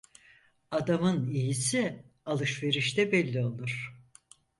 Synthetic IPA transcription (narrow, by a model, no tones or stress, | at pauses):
ad̪amɯnijisi | alˠɯʃve̞ɾiʃt̪ɛbɛlʲːio̞lˠuɾ̥